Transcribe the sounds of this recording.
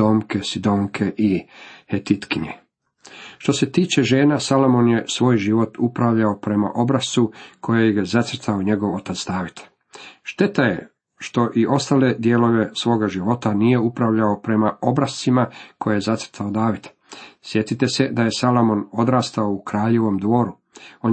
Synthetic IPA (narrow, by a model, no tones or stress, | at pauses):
omkesid̪oːŋkʰe̞ʔihet̪it̪kiɲḛ | ʃt̪o̞se̞t̪iːt͡ʃe̞ʒe̞ːnasalomonje̞sʋo̞ːjʒiʋo̞t̪upɾaʋʎaopɾe̞ma̰ʔo̞bɾast̪ukʰo̞jejɡazat̪sɾ̩t̪aoɲe̞ɡo̞ʋo̞t̪at̪sd̪aːʋit̪ | ʃt̪e̞t̪ajḛ | ʃt̪o̞ʔiʔo̞st̪aːle̞d̪jeːlo̞ʋe̞sʋo̞ːɡaʒiʋo̞t̪anije̞upɾaʋʎao̞pɾe̞mao̞bɾast̪imako̞jejezat̪sr̩t̪ʰaod̪aːʋit̪ | sje̞t̪it̪e̞se̞d̪aje̞salomo̞no̞d̪ɾaːst̪aoukɾaːʎe̞ʋo̞md̪ʋo̞ːɾu | o̞